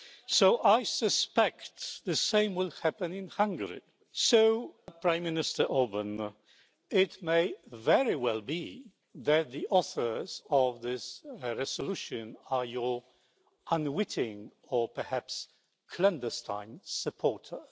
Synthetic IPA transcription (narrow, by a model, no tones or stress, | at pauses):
soʊʔaɪsəspɛktðɨsẽɪ̃mwɪlˠhæpɨ̃nɪ̃nhãŋɡəɹḭ | soʊpʰɹ̥ãɪ̃mːɪnɨstə˞ʔobə̃n | ɪtmeɪvɛɹiwɛlˠbi | ðɨt̪̚ðiʔɔθə˞zʌvðɪsɹɛzəluʃɨ̃nə˞jə˞ | ʔə̃nwɪtɪ̃ŋ | əpʰə˞hæps | kʰlɛ̃ndəstʰã̰ɪ̃nsɨpʰɔɹtʰə˞